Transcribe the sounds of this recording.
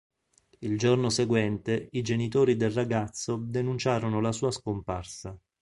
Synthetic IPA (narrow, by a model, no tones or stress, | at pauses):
ild͡ʒornoseɡwɛnt̪eid͡ʒenit̪oːɾid̪elraɡat̪sːod̪enunt͡ʃaːɾonolasuːaskomparsa